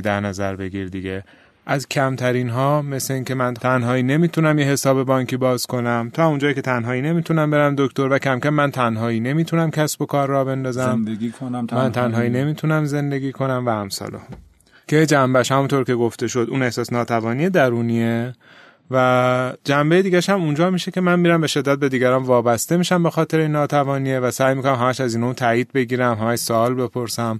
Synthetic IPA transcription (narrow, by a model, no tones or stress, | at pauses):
d̪æɾnæzæɾbe̞ɡiɾd̪iɡe | ʔæzcʰæmt̪ʰæɾiːnɦɒːme̞sleiːŋcʰe̞mænt̪ʰænɦɒːiːne̞miːt̪ʰunæmjeɦe̞sɒːbe̞bɒŋkʰiːbɒːz̥kʰo̞næmt̪ʰɒːund͡ʒɒːjiːkʲʰe̞t̪ʰænɦɒːiːne̞miːt̪ʰunæmbe̞ɾæmd̪o̞kʰt̪o̞ɾvækʰæmkæmːænt̪ʰænɦɒːiːne̞miːt̪ʰunæmcʲʰæsb̥o̞kʰɒːɾːɒːbe̞nd̪ɒːzæmiːkʰonmænt̪ʰænɦɒːiːne̞miːt̪ʰunæmze̞nd̪e̞ɡʲiːkʰo̞næmvææmsɒ̰lo̰ | cʰed͡ʒæmbæʃhæmunt̪ʰoɾcʰe̞ɡoft̪e̞ʃo̞d̪uːne̞hsɒːsenɒːt̪ʰævɒːnijed̪æɾuːnie | væd͡ʒæmbe̞jed̪iːɡʲæʃhæmund͡ʒɒːmiʃecʲe̞mænmiːɾæmbe̞ʃe̞d̪ːæt̪̚be̞d̪iːɡæɾɒːnvɒːbæst̪e̞miːʃæmbe̞xɒːt̪ʰe̞ɾeinːɒːt̪ʰævɒːniːevæsæjmikʰonæmɦæmæʃæziːnomut̪ʰæːjiːd̪̚be̞ɡiːɾæmɦæmæʃsoɒːlbe̞pʰo̞ɾsæm